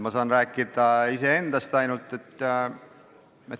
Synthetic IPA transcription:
mɑsɑːnræːkːˑid̪̥ɑisee̞nd̪̥ɑst̪ɑjnult̪ˑet̪ːˑ | et̪

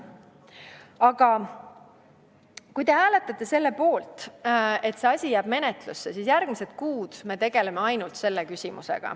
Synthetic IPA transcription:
ɑɡ̥ɑ | kujt̪e̞ɦæːle̞t̪ːˑɑt̪ːe̞se̞lːe̞po̞ːlt̪e̞t̪seɑsʲijæːb̥me̞ne̞t̪lusːe̞siːsjærɡ̥mise̞t̪kuːd̪̥me̞t̪e̞ɡ̥e̞lemeɑjnult̪se̞lːekysʲimṵse̞̰ɡ̥ɑ̰

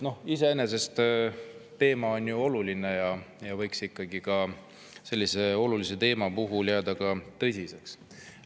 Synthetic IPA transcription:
no̞hise̞ene̞s̬e̞st̪ | t̪ːe̞ːmɑo̞njuo̞luline̞jɑjɑvɤjksikːɑɡikɑ | se̞lːise̞o̞lulise̞t̪e̞ːmɑpuɦuljæːd̪̥ɑkɑt̪ɤ̞sʲise̞ks

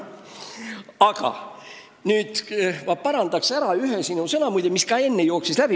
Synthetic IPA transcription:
ɑɡ̥ɑ̰ | nyːd̪̥vɑpɑɾɑnd̪̥ɑksæɾɑyɦesinusɤnɑmujd̪emiskɑe̞nːejo̞ːksislæb̥i

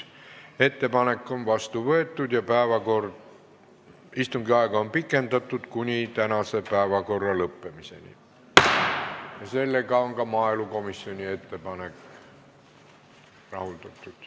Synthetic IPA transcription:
et̪ːepɑnekːonʋɑst̪uʋoet̪ːut̪jɑpæˑːʋækort | ist̪uŋkiɑikɑompikːent̪ɑt̪ːut̪kunʲiˑt̪ænæsepæˑeʋækorːɑləpːemisḛnḭ | jɑselːekɑoŋkɑmɑˑelukomisːionʲiet̪ːepɑnek | rɑhult̪et̪ːut̪

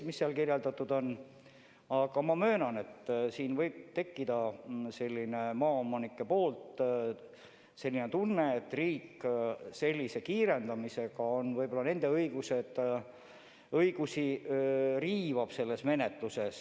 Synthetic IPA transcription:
misːeɑlkirjeld̪̥ɑt̪ːˑud̪̥o̞n | ɑɡ̥ɑmɑmø̞ːnɑne̞t̪siːnvɤjb̥̚t̪e̞kːid̪ɑse̞lʲːine̞mɑːomːɑnikːˑe̞po̞ːlt̪ | se̞lʲːinet̪unːe̞ːt̪ːriːkse̞lʲːise̞kiːɾe̞nd̪̥ɑmise̞ɡ̥ɑo̞nvɤjb̥o̞lːɑne̞nd̪e̞ɤijɡ̥used̪̥ | ɤjɡ̥usi | riːvɑb̥se̞lːe̞sme̞ne̞t̪luse̞s

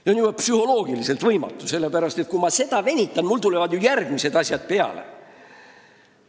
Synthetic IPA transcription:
onjuwɑpsyho̞lo̞ːɡ̥ilise̞lt̪vɤjmɑ̰t̪ːˑuse̞lːe̞pæɾɑst̪e̞t̪̚kumɑse̞d̪̥ɑve̞nʲit̪ːˑɑnmult̪ule̞vɑd̪jujærɡ̥mise̞d̪ɑsʲjɑd̪̥̚pe̞ɑ̰lḛ

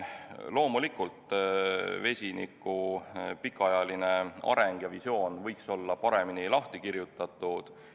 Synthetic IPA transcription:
lo̞ːmulikːult̪ | ve̞sʲinḭkːˑupikːˑɑɑjɑline̞ɑ̰ɾeŋɡ̥jɑvisjo̞ːnvɤjkso̞lːɑpɑɾe̞minilɑht̪ikiɾjut̪ːˑɑt̪ːˑud̪̥

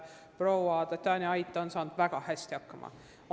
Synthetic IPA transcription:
prowɑt̪ɑt̪ːɑːnʲiɑjt̪ːˑɑonsɑːnd̪̥væɡ̥ɑhæsʲt̪iɑkːɑmʔɑ̰

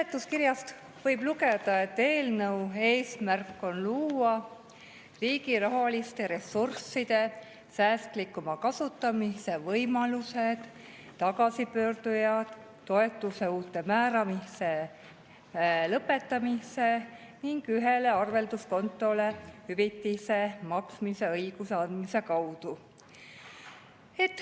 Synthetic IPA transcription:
et̪ːˑuskirjɑst̪ | vɤjb̥luke̞d̪̥ɑe̞t̪ːe̞ːlnɤwe̞ːsmærkːˑo̞nluːwɑ | riːɡirɑɦɑlist̪e̞ɾe̞sːursːid̪̥e̞ | sæːst̪likːˑumɑkɑsut̪ːˑɑmise̞vɤjmɑlused̪̥ | t̪ɑɡɑsipø̞ːrd̪̥ujɑd̪̥ː | o̞e̞t̪ːˑuse̞uːt̪ːˑe̞mæːɾɑmise̞ | lɤpːe̞t̪ːˑɑmise̞ | niŋɡ̥yɦe̞le̞ɑrve̞ld̪usko̞nt̪ˑːo̞le̞hyvit̪ːise̞mɑksmise̞ɤjɡ̥useɑnd̪mise̞kɑwd̪̥u | et̪ːˑ

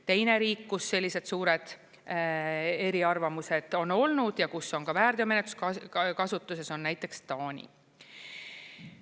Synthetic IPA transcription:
t̪e̞jne̞ɾiːkːkusːe̞lʲːise̞d̪̥suːɾe̞d̪̥ | e̞ɾiɑrvɑmuse̞d̪̥o̞no̞lnud̪̥jɑkuso̞ŋkɑvæːrd̪iome̞net̪u̥skɑkɑsut̪ːˑuse̞so̞nːæjt̪ːˑe̞kst̪ɑːnʲḭ

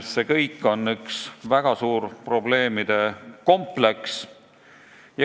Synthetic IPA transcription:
sːekɤjkːˑo̞nːyksvæɡ̥ɑsuːɾpro̞ble̞ːmid̪̥e̞ko̞mple̞ks | j

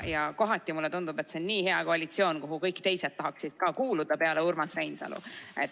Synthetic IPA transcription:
jɑko̞ɦɑt̪ʲːˑimulːet̪und̪ub̥e̞t̪seonːiːhe̞ɑkoɑlit̪sio̞ːnkoɦukɤ̞jkːt̪e̞jse̞t̪ːɑɦɑksid̪̥kɑːkuːlud̪̥ɑpe̞ɑleurmɑsrejnsɑ̰lṵe̞t̪ː

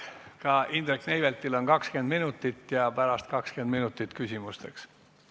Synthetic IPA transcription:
kɑʔind̪ɾekːnejvelt̪ilo̞nkɑkske̞nd̪minut̪ːˑit̪ːjɑpæɾɑst̪kɑkske̞nd̪minut̪ːˑit̪kysʲimust̪e̞ks

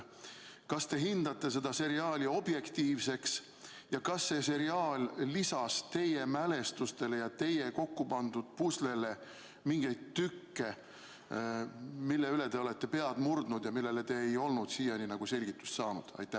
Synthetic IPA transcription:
kɑst̪e̞ɦind̪̥ɑt̪ːe̞se̞d̪̥ɑse̞ɾiɑːlʲio̞bje̞kt̪iːvse̞ks | jɑkɑsːe̞se̞ɾiɑːlʲːisɑst̪e̞jemæle̞st̪ust̪e̞le̞jɑt̪e̞je̞ko̞kːupɑnd̪̥ud̪̥̚puslele̞ | miŋɡejd̪̥t̪ːykːe̞ | milːe̞yle̞t̪e̞o̞let̪ˑːe̞pe̞ɑd̪murd̪̥nud̪jɑmilːe̞le̞t̪e̞ːjo̞lnud̪̥siːjɑninɑɡ̥use̞lʲɡ̥it̪ːˑu̥st̪sɑːnṵd̪̥ɑ̰jt̪ːˑæ

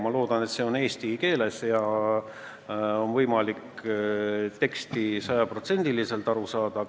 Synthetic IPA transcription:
mɑlo̞ːd̪̥ɑne̞t̪se̞o̞ne̞ːst̪ike̞ːle̞sjɑ | o̞nvɤjmɑlik | t̪e̞kst̪isɑjɑpro̞t̪se̞nʲd̪̥ilise̞lt̪ɑɾusɑːd̪̥ɑ

